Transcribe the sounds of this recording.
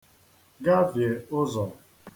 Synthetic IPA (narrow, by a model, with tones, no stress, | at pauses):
ɡa˦vje˨ʊ˦zɔ˨